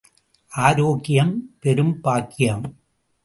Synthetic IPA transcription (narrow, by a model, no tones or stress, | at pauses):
ʔaːɾoːɣɪjɐmpɛɾɯmpaːkːɪjɐm